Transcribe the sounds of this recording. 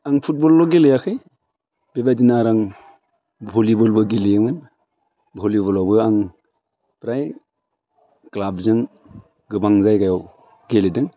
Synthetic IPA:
aŋpʰut̚bɔlːɔɡelejakʰɯj | b̥ebadinaɾaŋ | bʱolibɔlbɯɡelijɯmɯn | bʱolibɔlawbɯaŋ | pɾaj | klabzɯŋ | ɡɯbaŋzajkajaw | ɡeledɯŋ

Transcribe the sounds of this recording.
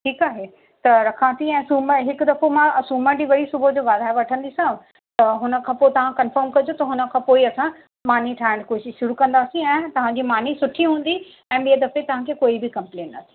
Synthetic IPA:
ʈʰiːkaːɦe | t̪ɐɾɐkʰãt̪ʰiɛ̃ːsuːməɦɪkd̪ɐfomãsuːmə̃d͡ʑiːʋɐɽisʊbʱəd͡ʑoːʋaːd̪aːʋɐʈʰə̃nd̪isã | t̪ɐɦʊnə̆kʰãːpot̪ɐʋ̤ãkɐ̃nfəɾmkɐd͡ʑot̪ɐɦʊnə̆kʰãpoːiɐsã | maːn̤iʈʰaːɪɽ̃koːʃɪʃːʊɾukɐ̃nd̪aːsĩɛ̃ːt̪ɐʋ̤ãɲd͡ʑiːmaːn̤isʊʈʰiɦũːnd̪i | ɛ̃ːɓijəd̪ɐfet̪ɐʋ̤ãkʰekoːibɪkɐ̃mplẽːnːɐ̰t̪ʰi̥

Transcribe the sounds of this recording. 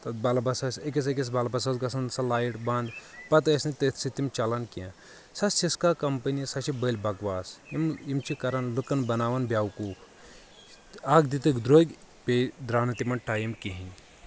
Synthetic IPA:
t̪ɐt̪̚bɐlbɐsɐsɐkʲis̬ɐk̬ʲis̬bɐlbɐs̬ɐsɡɐsɐnsɐlaːjiʈbɐnd̪pɐt̪ɐsnit̪et̪ʰsit̪imt͡ʃɐlɐnkiã | sɐssiskakɐmpɐnisɐt͡ʃibəlʲbɐɡʋaːsimimt͡ʃʰikɐɾɐnlukɐnbɐnaːʋɐnbʲjaːwkuːkʰ | aːɡd̪it̪ɨkd̪ɾoːɡʲ | pʲed̪ɾaːnɐt̪imɐɳʈʰaːjimkiɦinʲ

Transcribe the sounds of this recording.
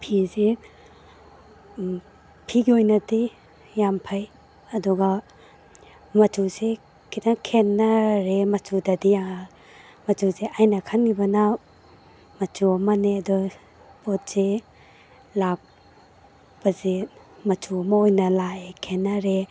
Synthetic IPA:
pʰize | pʰiɡiojnɐdi | jampʰaj | ɐdɔɡa | mɐtʰuse | kʰitakʰenːaɾemɐtʰudadijaŋa | mɐtʰuzeʔajnɐkʰanɡibɐna | mɐtʰuɐmɐneɐdɔ | pɔt̚se | lak̚ | bɐze | mɐtʰuɐmaojnɐlaekʰenːaɾe

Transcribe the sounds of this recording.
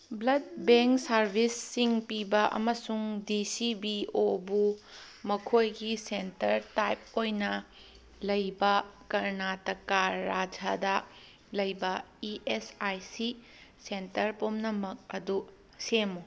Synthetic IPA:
blɐd̚beŋksɐɾbʱisːiŋpibɐʔɐ̰mɐsuŋdisibiobu | mɐkʰojɡisentɐɾtajp̚ojnɐ | lɐjbɐkɐɾnatɐkaɾːad͡ʒadɐ | lɐjbɐiʔesajsi | sentɐɾpomnɐmɐk̚ɐdu | semo

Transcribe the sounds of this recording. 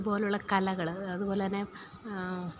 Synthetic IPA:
ubo̞ːleuɭːɐkɐlɐɣɐɭɐðupoːle̞t̪ɐnːe

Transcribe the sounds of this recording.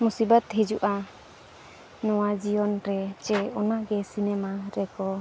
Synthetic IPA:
musibat̪ɦid͡ʒuʔa | nɔwad͡ʒijɔnɾɛt͡ʃɛɔnaʔɡɛsinɛmaɾɛkɔ

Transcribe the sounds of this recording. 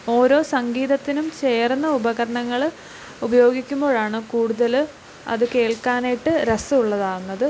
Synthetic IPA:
o̞ːɾo̞ːsɐŋɡiːðɐt̪ːinumt͡ɕe̞ːrnːɐubɐɣɐɾɐɳɐŋːɐɭ | ubɐjo̞ːɡikʲːumbo̞ːɻaːɳɨkuːɽuðɐl | ɐ̰ðɨke̞ːɭkaːnejʈːɨɾɐsɨuɭːɐðaːwunːɐðɨ

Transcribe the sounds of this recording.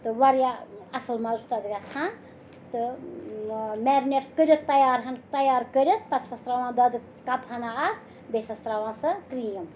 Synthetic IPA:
t̪ɨʋɐɾjaɐsɨlmɐzut̪ɐd̪ɡʲat͡sʰã | t̪ɨ | mɛːɾnʲeʈkəɾʲjot̪ːɐjaːɾɦɐnt̪ɐjaːɾkəɾʲot̪̚pɐɾsɐst̪ɾaʋãːnd̪ɐd̪ɨ | kɐphɐnaa | besɐst̪ɾaʋãːnsɨkɾijɐm

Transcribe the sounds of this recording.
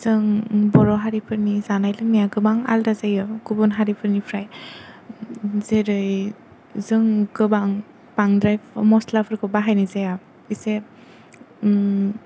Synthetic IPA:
z̥ɯŋbɔɾɔɦaɾipʰɯɾnizanajlɯŋmijaɡɯbaŋa̰ldazajɔɡubɔnɦaɾipʰɯɾnipʰɾaj | zeɾɯj | zɯŋɡɯbaŋ | paŋdɾajmɔslapʰɯɾkɯbaɦajnɯzeja | ise

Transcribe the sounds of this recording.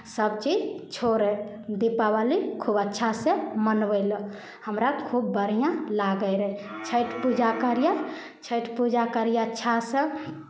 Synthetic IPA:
səb̚t͡ʃid͡ʒt͡ʃʰoɾɛ | d̪ipabalikʰubətːʃʰasẽmənbələ | həmɾakʰubːəɾ̤ijãlaɡəɾəit͡ʃʰəʈpud͡ʒakəɾja | t͡ʃʰəʈpud͡ʒakəɾijaətːʃʰasə̃

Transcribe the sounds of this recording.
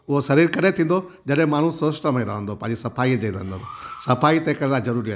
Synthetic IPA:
ʊɦosɐɾiːɾkɐɾet̪ʰĩːnd̪o | d͡ʒɐɗɦẽmaːɽ̤ũsoːsʈəmẽɾaɦə̃nd̪opɐ̃ːɲd͡ʑisɐpʰaːid͡ʒeiɾnd̪oosɐpʰaːit̪ẽkɐɾnad͡ʒɐɾuːɾiaː

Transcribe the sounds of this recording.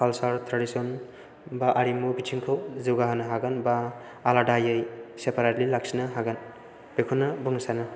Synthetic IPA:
kʰalsaɾtʰɾadisɔn | baʔaɾimubitʰiŋkʰowziwɡaɦanɐɦaɡanbaː | ladajɯjsepaɾatlilaksinaɦaɡan | b̥ekʰunːabuŋsana

